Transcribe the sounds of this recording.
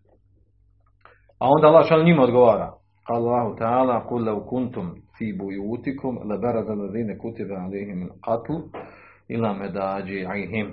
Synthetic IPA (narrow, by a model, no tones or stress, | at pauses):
ao̞nd̪aːɑlˠːaːhʃaːlɲimaod̪ɡoʋaːɾaː | qɑːlalˤːɑːɦut̪aʕaːlaːqʊlːɐwkʊnt̪ʊmfiːbʊjuːt̪ikʰʊmlɪbaɾˤɑzalːaðiːnakut̪abaʕalejɦɪmalqɑt̪l | ʔɪlaːmad̪aːd͡ʒɪʕaɦɪm